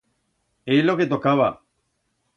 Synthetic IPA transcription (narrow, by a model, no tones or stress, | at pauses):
eloket̪okawa̰